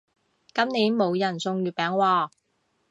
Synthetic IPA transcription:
kɐ˥mniː˨˥nmo˨˧wjɐ˨˩nsʊ˧ŋjyː˨t̚pɛː˨˥ŋwaː˨˩

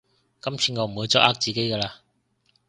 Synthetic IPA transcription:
kɐ˥mt͡sʰiː˧ŋɔː˨˧m̩˨˩wuː˨˧jt͡sɔː˥ʔaː˥k̚t͡siː˨ke˥jkaː˧laː˧

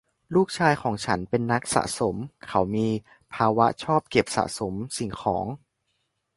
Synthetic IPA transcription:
luː˥˩k̚t͡ɕʰaː˧jkʰɔː˩˦ŋt͡ɕʰa˦˥npe˧nːa˦˥k̚sa̰˨˩ʔso˩˦mkʰa˩˦wmiː˧ | pʰaː˧wa˦˥t͡ɕʰɔː˥˩p̚ke˨˩p̚sa̰˧˨˩so˩˦msi˨˩ŋkʰɔ̰ː˩˦ŋ

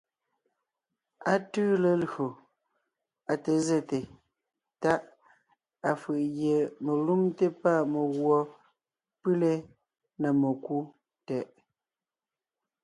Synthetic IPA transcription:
a˦tʉː˦le˨lɣo˨ | a˨te˨zɛ˦˨te˨ | ta˦ʔ | a˨fɯ˨ʔɣje˨me˨lu˦mte˦pa˦˨mə˨ɣwɔ˨ | pɨ˦le˦ | nə˨mə˨ku˦ | tɛ˦˨ʔ

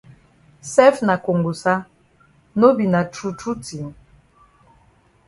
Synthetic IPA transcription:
sɛ˦fna˨ko˨ŋɡu˨sa˦ | no˦bi˨na˨tu˦tʰu˦ti˨˦n

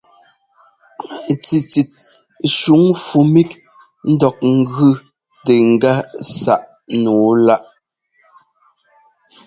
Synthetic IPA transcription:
t͡si˨t͡si˨t̚ | ʃu˨˦ŋfu˨˦mi˦k | n̩˦dɔ˨k̚ŋ̩˦ɡʉ˦ | te˨ŋ̩˨ɡa˦sa˦˨ʔ | nɔː˨˦la˦ʔ

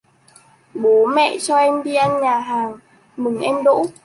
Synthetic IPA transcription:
ɓo˨˦mɛ̰˧˨t͡ɕɔ˧ʔɛ˧mɗi˧ʔa˧nɲaː˨˩ɦaː˨˩ŋ | mɨ˨˩ŋʔɛ˧mɗo̰˧˥

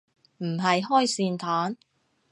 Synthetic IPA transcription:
m̩˨˩ɦɐ˨jhɔː˥jsiː˧nt̪ʰaː˨˥n

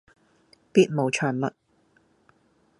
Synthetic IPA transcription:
piː˥t̚mo˨˧wt͡ʃʰœː˨˩nmɐ̰˨t̚

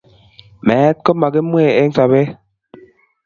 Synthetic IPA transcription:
mɛ˨˦t̚kɔ˦ma˨ɡe˦mwe˦˨e˦ŋ̩˦sa˨be˦

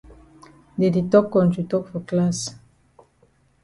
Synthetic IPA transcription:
d̪e˨di˨t̪ɔ˦kːɔ˨nt͡ʃu˨t̪ɔ˦kfɔ˨kla˦s

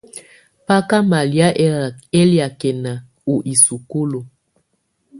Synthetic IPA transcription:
pa˦ka˦ma˨lja˦e˦lja˨kɛ˨na˨ | o˨ʔi˨su˨ko˦lo˨

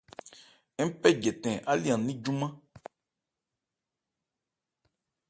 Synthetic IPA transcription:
m̩˦pɛ˦d͡ʒɛ˨t̪ɛ̃˨ʔa˦li˦˨ã˨nĩ˦d͡ʒu˦mã˦

